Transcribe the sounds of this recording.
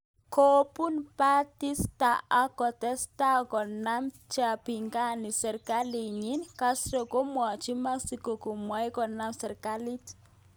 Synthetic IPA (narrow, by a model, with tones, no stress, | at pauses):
kʰo˨pu˦npa˦ti˦sta˨a˦kɔ˨tɛ˦sta˦kɔ˨na˦m | t͡ʃa˨pi˨ŋɡa˦ni˨sɛ˨ɾka˦li˨ɲi˦nka˦sɾɔ˨ko˦mwa˨t͡ʃi˦ma˦ksi˨kɔ˨ko˨mwa˨˦jkɔ˨na˦msɛ˨ɾka˦li˦t